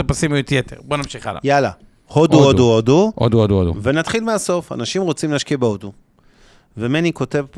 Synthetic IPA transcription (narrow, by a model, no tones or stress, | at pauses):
pasimjut̪jet̪ḛʁbonamʃiχa̰la̰jala̰ | hoduoduoduʔo̰d̪uod̪uodṵve̞nat̪χilmeaso̞fa̰naʃimʁo̞t͡simlaʃkiabeodu | vemeniko̞te̞v